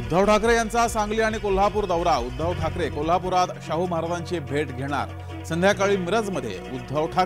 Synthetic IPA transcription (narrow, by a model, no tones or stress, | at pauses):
ud̪ʱːəʋʈʰakɾejant͡sasãŋɡliːaɽ̃ikol̤ɦapuːɾd̪əʋɾaud̪ʱːəʋʈʰakɾekol̤apuɾat̪ɕaɦuməɦaɾad̪aɲt͡ɕebʱeʈɡʱeɽ̃a̰ɾ | sənd̪ʱjakaɭiːmiɾəd͡zməd̪ʱːjḛud̪ʱːəʋʈʰa